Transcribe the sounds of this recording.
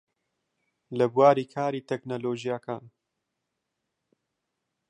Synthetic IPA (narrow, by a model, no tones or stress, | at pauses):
lɐbwaːɾiːkʰaːɾiːt̪ʰɛknoloːʒijakʰaːn